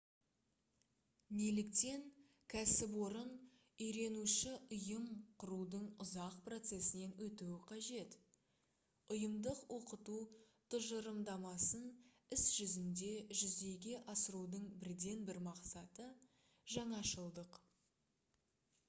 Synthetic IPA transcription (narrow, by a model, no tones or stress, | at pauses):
nelɪk̚t̪e̞ŋ | kʲʰæsɪp̬wo̞ɾən | ʏjɾe̞nuʃɪʊjəmqʰʊɾud̪əɴʊzɑq̚pro̞t̪se̞sɪne̞nwɵt̪uwɪqʰɑʒe̞t̪ | ʊjəmd̪əqwʔo̞qət̪u | t̪ʰʊʒəɾəmd̪ɑmɑsən | ɪsʒ̥ʏzɪnd̪e̞ʒʏzd̪e̞jɡʲe̞ʔɑsəɾud̪əɴbɪɾd̪e̞nbɪɾmɑqsɑt̪ə | ʒɑɴɑʃəlˠd̪əq